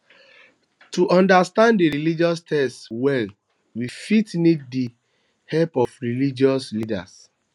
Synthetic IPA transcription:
tuʔɔ̃ndastãndiɹilid͡ʒɔstʰɛstwɛl | wifitniddi | hɛlpɔfɹilid͡ʒɔslida̰s

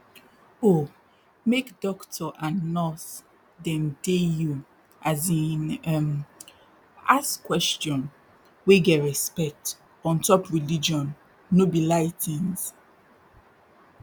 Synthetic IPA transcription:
o | mekdɔktʰɔʔannɔs | dɛ̃mdeju | azĩnɛm | askwɛst͡ʃjɔ̃n | weɡɛtɹɛspɛk̚t | ɔ̃ntɔpɹilid͡ʒɔ̃nː | obilaɪtʰĩns

